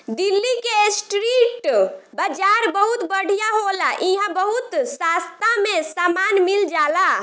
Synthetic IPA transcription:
d̪ilːikesʈɾiʈbad͡ʒaɾbəɦut̪bəɽ̤ijaɦolaʔiɦãbəɦut̪sast̪ãmesamanmild͡ʒala

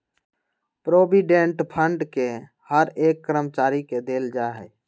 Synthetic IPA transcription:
pɾoːbiɖeɳʈpʰəɳɖke | həɾeːkːɾəmt͡ʃaːɾiked̪eːld͡ʒaɦɛ̰ː

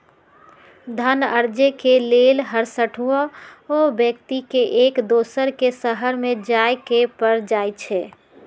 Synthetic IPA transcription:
d̪ʱənəɾd͡ʒekelelɦəɾsəʈʰuoobjəkt̪ikeʔekd̪oːsəɾkesəɦəɾmẽd͡ʒajkepəɾd͡ʒajt͡ʃʰɛ

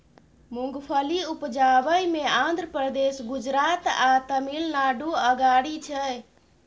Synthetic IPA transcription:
muŋɡpʰəliupd͡ʒabəjmeãnd̪ʱɾəpɾəd̪esɡud͡ʒɾat̪at̪əmilnaɖuəɡaɽit͡ʃʰɛ

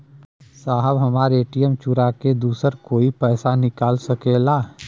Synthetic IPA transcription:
saːɦəbɦɐmaːɾeːʈijəmt͡ʃʊɾaked̪uːsəɾkoːipɛːsanɪkaːlsɐkeːlaː

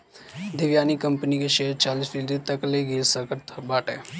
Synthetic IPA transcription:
d̪ɪʋjaːnikəmpənikeʃeːɾt͡ʃaːlisfʰɪlɾit̪əkleɡiːlsəkəɾt̪ʰbaːʈɛː

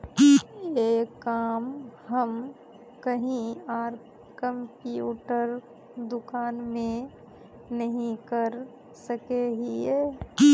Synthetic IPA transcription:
jekaːmɦəm | kɐɦĩaːɾ | kə̃mpjuːʈəɾ | d̪ʊkaːnmẽ | nɐɦĩkəɾ | sɐkeɦiɛː

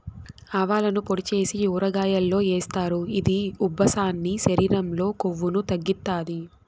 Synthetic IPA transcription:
ɐʋaːlɐnupoɽit͡ʃe̞ːsiuːɾɐɡaːjɐlːo̞ːeːst̪aːɾuid̪iubʱːɐsaːnːiʃɐɾiːɾɐmlo̞ːkoʋːunut̪ɐɡːit̪ːaːd̪i

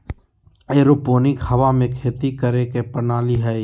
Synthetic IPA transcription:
eɾupoːnɪkhɐʋamẽkʰeːt̪ikəɾekepənaːliɦɛ

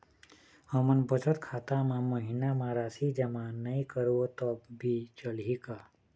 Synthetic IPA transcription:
həmənbət͡ʃət̪kʰaːt̪amãməɦinamãɾasid͡ʒəmãnəikəɾʋot̪əbbit͡ʃəlɦika

